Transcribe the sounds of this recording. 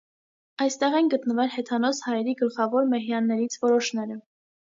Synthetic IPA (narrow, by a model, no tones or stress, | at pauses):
ɑjst̪ɛʁɛnɡət̪nəvɛɾɦɛt̪ʰɑnɔshɑjɛɾiɡəlχɑvɔɾmɛɦjɑnːɛɾit͡sʰvɔɾɔʃnɛɾə